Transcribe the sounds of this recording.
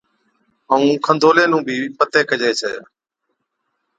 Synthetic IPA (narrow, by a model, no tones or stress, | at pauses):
əũːkʰənd̪ʱoːlẽːnũːbʱiːpət̪eːkəd͡ʒeːsʰḛː